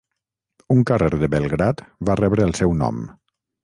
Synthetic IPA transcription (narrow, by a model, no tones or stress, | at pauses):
uŋkareɾðəβəlˠɣɾat̪βarɛβɾəːlˠsɛwnɔ̰m